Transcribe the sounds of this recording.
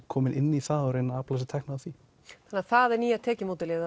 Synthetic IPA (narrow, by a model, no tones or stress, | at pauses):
kʰɔːmɪnʔɪnːiθaɔɾejnːaaːplajsɪt̪ʰɛhknaaθvi | θanaθaðɛɾniːat̪ʰɛːcɪmoːt̪ɪlɪːða